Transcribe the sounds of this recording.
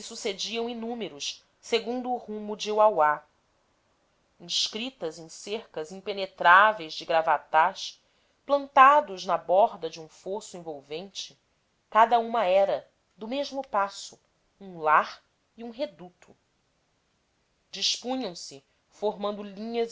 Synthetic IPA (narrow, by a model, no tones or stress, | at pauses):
sɪsused͡ʒiɐ̃w̃inũmeɾʊʃ | seɡũnd̪ʊːhũmʊd͡ʒɪuwawa | ĩʃkɾit̪ɐzẽj̃seɾkɐzĩpenet̪ɾavejzd͡ʒɪɡɾavat̪aʃ | plɐ̃nt̪ad̪ʊznɐbɔɦd̪ɐd͡ʒɪũfosʊĩvowvẽnt͡ʃɪ | kad̪ɐũmɐɛɾɐ | d̪ʊmeʒmʊpasʊ | ũŋlaɾ | iũɦed̪ut̪ʊ̥ | d͡ʒiʃpũɲɐ̃w̃sɪ | foɦmɐ̃nd̪ʊlĩɲɐz